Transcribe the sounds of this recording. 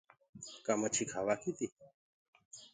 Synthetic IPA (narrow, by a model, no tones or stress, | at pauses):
kamat͡ʃʰikʰawakit̪i